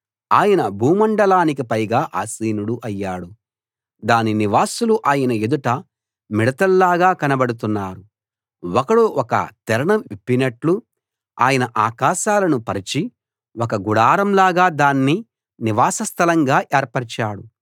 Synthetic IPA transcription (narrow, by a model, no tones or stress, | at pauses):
aːjɐnɐbʱuːmɐɳɖɐlaːnik̬ipɐjɡaːʔa̰ːsiːnuɽuʔɐjːaːɽu | d̪aːniniʋaːsuluʔaːjɐnɐed̪uʈɐ | miɽɐt̪ɐlːaːɡaːkɐnɐbɐɽut̪̬unːaːɾu | wɔkɐɽoːʔɔkɐ̰t̪ɛɾɐɳɐmipːinɐʈlu | a̰ːjɐnɐʔaːkaːʃaːlɐnupɐɾit͡ʃi | wɔkɐɡuɽaːɾɐmlaːɡaːd̪aːnːi | niʋaːsɐst̪ʰɐlɐŋɡaːʔɛːɾpɐɾɐt͡ʃaːɽu